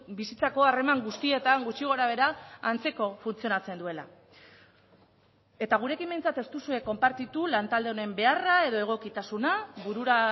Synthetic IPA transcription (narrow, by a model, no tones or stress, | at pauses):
bisit͡sako̞are̞maŋɡust̪ie̞t̪aŋɡut͡ʃiɣ̞o̞ɾaβ̞e̞ɾaːnt͡se̞ko̞funt͡sio̞nat͡se̞nd̪ue̞la̰ | e̞t̪aɣ̞uɾe̞kimbejnt͡sat̪e̞st̪usue̞kːo̞mpaɾt̪it̪ulant̪ald̪e̞o̞ne̞mbe̞arae̞ðo̞e̞ɣ̞o̞kit̪asunaβuɾuɾa